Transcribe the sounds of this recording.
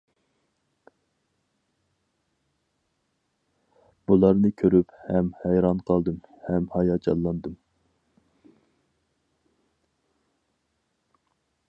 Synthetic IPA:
b̥ulˠɑɾnɨkʲʰøɾyphɛmhɛjɾɑnqʰɑlˠd̪ɨmhɛmhɑjɑd͡ʒɑ̰llːˠɑnd̪ɨm

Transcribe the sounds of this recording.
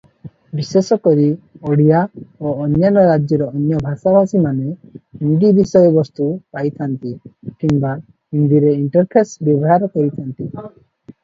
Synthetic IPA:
bisesɔkɔɾiɔɽijaoːnjanɔɾad͡ʒjɔɾɔːnjɔbʱasabʱasimanehind̪ibisɔjɔbɔst̪upajt̪ʰant̪ikimba | hind̪iɾeiɳʈɔɾpʰesbjɔbɔɦaɾɔkɔɾit̪ʰant̪i

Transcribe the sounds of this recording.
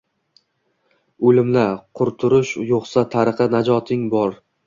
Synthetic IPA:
ɵlɪmlaɾqʰʊɾt̪ʰʊɾʊʃjoqsat̪ʰaɾɨqɨnad͡ʒɒt̪ʰɪŋbɒɾ

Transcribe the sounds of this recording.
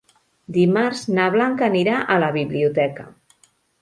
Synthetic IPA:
d̪imaɾznaβ̞laŋkəniɾaʔələβiβliut̪ɛkə̰

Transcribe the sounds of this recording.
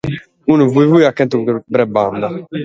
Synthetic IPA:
unuvuivujakːɛnt̪ubɾɛband̪a

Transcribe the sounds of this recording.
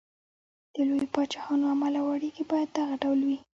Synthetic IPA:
d̪̥əlojopɑt͡ʃɑhɑnoamalawaɽeɡibɑjad̪̚ːaɣaɖawlwi

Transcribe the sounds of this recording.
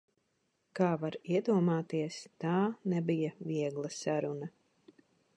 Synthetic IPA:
kaːvaɾiɛd̪uɔmaːt̪iɛst̪aːnɛbijaviɛɡlˠasaɾuna

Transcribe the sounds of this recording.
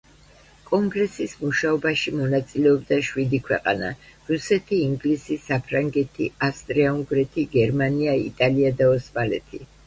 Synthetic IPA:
kʼɔŋɡɾɛsismuʃaɔbaʃimɔnat̪sʼilɛɔbd̪aʃwid̪ikʰwɛ̰qʼa̰na̰ɾusɛt̪ʰiːŋɡlisisapʰɾaŋɡɛt̪ʰḭast̪ʼɾɛauŋɡɾɛt̪ʰiɡɛɾmaniaḭt̪ʼaliad̪aɔsmalɛ̰t̪ʰi

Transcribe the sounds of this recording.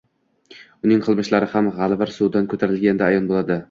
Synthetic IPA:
ʊnɪŋqʰɨlˠmɪʃlaɾɪhamʁalˠvaɾsud̪ankʰɵt̪ʰaɾɪlɡʲand̪aːjɒnbolˠad̪ɪ

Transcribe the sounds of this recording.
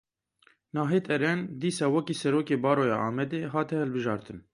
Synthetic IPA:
nɑːɦeːt̪ʰɛɾɛnd̪iːsɑːwɛkiːsɛɾoːkeːbɑːɾoːjɑ̰ːʔɑːmɛd̪eːɦɑːt̪ɛhɛlbɨʒɑːɾt̪ʰɨn

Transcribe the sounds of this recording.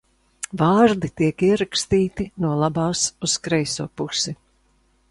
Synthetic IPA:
vaːɾd̪it̪iɛkiɛɾakst̪iːt̪inuɔlˠabaːsuskɾɛjsuɔpusi

